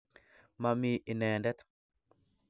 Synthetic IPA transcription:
ma˨mii˨nɛ˨ndɛ˦t

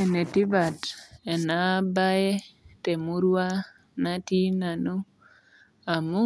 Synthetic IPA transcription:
e˨ne˨ti˦ba˨tɛ˨na˨˦ba˦je˦te˨mu˦ɾwa˦ | na˦ti˦na˨nu˦ | a˨mu˦

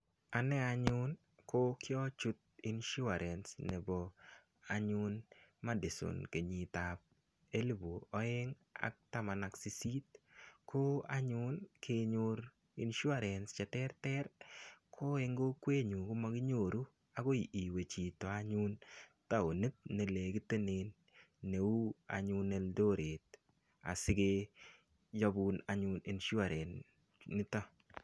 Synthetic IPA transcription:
a˨nɛ˦aɲʊ˦n | ko˦kɪ˦ɔ˦t͡ʃʊ˦t̪̚i˦nʃʊ˦a˨ɾʔɛ˨nsne˨bɔ˨ | a˨ɲʊ˦nma˦dɪ˨so̰˨nke˨ɲi˨ta˨p̚ | e˦lbu˨ɔ˦ɪ˦ŋ | a̰˦k̚ta˦ma˨na˨ksi˨si˦tkʰo˦a˦ɲʊ˦nkʰe˧ɲʊ˧ɾ | ḭ˨nʃʊ˦a˨ɾɛ˨nst͡ʃɛ˨tɛ˦rtɛ˦ɾkʰo˦e˦ŋɡo˦kwe˦ɲu˨kʊ˦ma˨kɪ˦ɲo˨ɾu˦ | a˨ɡo˦ii˨we˨t͡ʃi˨tɔ˨a˦ɲu˦nta˨o˨ne˦t̚ne˨le˨kɪ˦te˦neːnː | e˨u˦a̰˨ɲʊne˦ldo˦ɾʔe˨t̚ | a̰˨sɪ˦ɡe | ja˦buna˨ɲʊ˨ni˨nʃu˦a˨ɾɛ˨n | nɪ˦ta˦

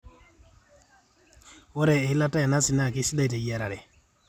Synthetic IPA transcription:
wɔ˦ɾɛ˨˦la˦ta˦ja˨na˦sɪ˨na˦˨kɪ˦si˦da˦i˨ta˨ja˨ɾa˨ɾɛ˨

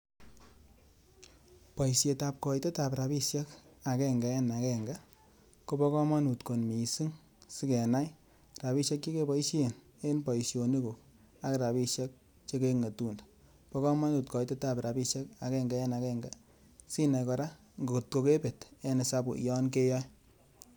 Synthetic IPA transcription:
pɔ˨isje˨ta˨p̚kɔ˨i˦te˦ta˨pɾa˨pi˦ʃɛ˦ka˨kɛ˦ŋɡa˨ɛ˦na˨kɛ˦ŋɡa˦ | ko˦pɔ˦kɔ˦ma˦nu˨tko˨nmi˨si˦ŋ | si˦kɛ˨na˦j | ɾa˨pi˦ʃe˦k̚t͡ʃe˦ke˦pɔ˦i˦ʃe˦˨n | e˦npɔ˨i˨sjo˨ni˦ko˨k | a˦kɾa˨pi˦˧ʃe˦k̚ | t͡ʃe˦ke˦ŋe˨tu˦nd | pɔ˦kɔ˦ma˦nu˨tkɔ˨ite˦ta˨pɾa˨pi˦˧ʃjɛ˦ka˨kɛ˦ŋɡa˦ɛ˦na˨kɛ˦ŋɡa˦ | si˦na˨jkɔ˧ɾa˦ | ŋɡo˨ktko˨ke˦pe˨tɛ˦ne˨sa˧bṵ˨jɔ˦nk̬e˦jɔ˦j

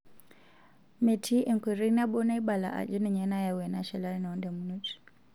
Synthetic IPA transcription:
me˨tʰi˦ʔɛ˨ŋ˨kʷi˨ɾi˦na˦ɓɔ˦na˦i˦ɓa˨la̰˨ʔa̰˨d͡ʒɔ˦ni˨ɲɛ˦na˦ja˨wɛ˨na˦ʃɛ˨la˦i˦na˨ɔ˦nda˨mu˨˦nu˦t͡ʃi̥

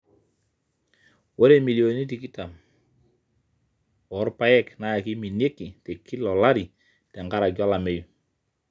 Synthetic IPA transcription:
wo˦ɾe˦˨mi˨li˨o˨ni˦ti˨ki˦ta˨m | ɔ˨˦ɾpa˦jɛ˦kna˦ja˨ki˦mi˨nje˦kːi˨te˨kʰi˦lɔ˨la˦ɾi˨ | tɛ˨ŋɡa˦ɾa˨ɡjɔ˦la˨me˦ju˨

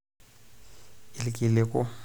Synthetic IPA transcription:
ɪ˨lɪkʼɪ˨lɪkʼʊ˦

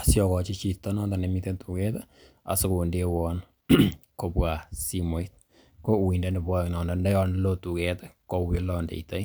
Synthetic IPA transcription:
asjɔ˨kɔ˨t͡ʃi˦t͡ʃi˨tːɔ˦nɔ˦nda˨nɛ˨mitɛ˦ntu˨kɛta | a̰˨sɪ˦ku˨ndewɔn | ko˨pwa˨si˦mɔ˨˦it̚ | ko˦wi˨nde˦nde˨bwa˦knɔ˨nda˨ndɛ˦jɔ˦nlo˦tu˨kɛtɛ˦ko˦wi˦lɔ˦ndḛ˨ita˦j

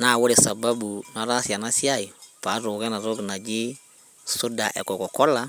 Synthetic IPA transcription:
na˨wʊ˦lɪ˨sa˨ba˦bu˨na˨ɾa˦si˨a˨na˦si˦a˦˨ji˨pa˨˦ɾo˨ɡɛ˦na˨ɾo˦ɡɪ˨na˨d͡ʒɪ˦ | sʊ˦da˨ʔɛ̰˨kɔ˨kɔ˨kɔ˦la˦

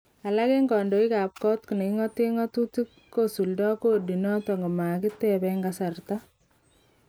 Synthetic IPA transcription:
a˨la˦ke˦ŋɡɔ˨ndo˨i˦ka˨p̚kɔ˦tki˨ne˨ki˦ŋɔ˦te˦ŋɔ˦tuti˦kːo˦su˨ldɔ˦ko˦di˨nɔ˦tɔ˨ŋɡɔ˨ma˨kɪ˦tɛ˦pɛŋɡasa˨rta˦

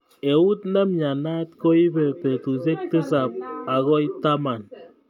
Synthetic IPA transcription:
e˨u˦tna˦mɲa˨na˦t̪kɔ˦i˦bɛ˨pe˨tu˨s̬e˦k̚tɨ˦sa˨p̚a˨ɣɔ˦i˦ta˦ma˨n

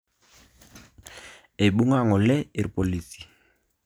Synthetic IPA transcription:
e˨ɓu˦ŋa˦˨ŋɔ˨lɛ˦i˨ɾpo˨li˨si̥˨

